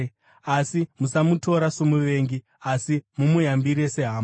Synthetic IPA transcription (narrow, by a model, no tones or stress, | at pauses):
asimusamutʰo̞ɾasomuʋe̞ːŋɡi | asimumujambiɾe̞se̞ɦaːmo